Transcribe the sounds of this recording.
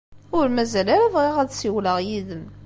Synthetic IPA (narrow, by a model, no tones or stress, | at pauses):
ʊɾmæzælæɾævʁiʁæðsiwləʁjiðəm